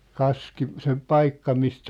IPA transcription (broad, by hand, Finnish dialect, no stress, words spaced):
kɑski se pɑikːɑ mistæ